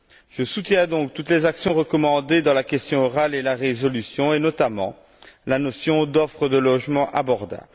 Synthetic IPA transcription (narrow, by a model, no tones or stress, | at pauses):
ʒ̥əsut̪jɛ̃d̪ɔ̃k̚t̪ut̪lɛzaksjɔ̃ʁəkɔmɑ̃d̪ed̪ɑ̃lakʲɛst̪jɔ̃ɔʁalelaʁezɔlysjɔ̃enɔt̪amɑ̰̃ | lanɔsjɔ̃d̪ɔfχəd̪əlɔʒmɑ̃ʔabɔʁd̪a̰